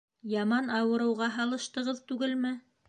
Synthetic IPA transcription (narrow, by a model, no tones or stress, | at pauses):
jɑmɑnɑwɤ̆ɾɤ̆wʁɑɦɑlˠɤ̆ʃt̪ɤ̆ʁɤðt̪ʉɡɘlmɘ